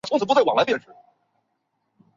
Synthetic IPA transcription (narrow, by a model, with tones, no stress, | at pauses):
t͡sʰŋt͡s̪̩ʰ˨˩pt͡sa˥˩ɪwɑ˨˩ŋla˧˥pjnʂɻ̩˧˥